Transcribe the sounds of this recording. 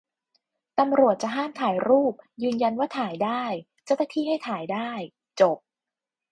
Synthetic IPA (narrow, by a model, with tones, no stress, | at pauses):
t̪a˧mɾu˨˩ət̪̚t͡ɕa˨˩ɦaː˥˩mt̪ʰaː˩˦jɾuː˥˩p̚jɯː˧nja˧nwaː˥˩t̪ʰaː˩˦jdaː˥˩j | t͡ɕa˥˩wna˥t̪ʰiː˥˩ɦa˥˩jt̪ʰaː˩˦jdaː˥˩j | t͡ɕo˨˩p̚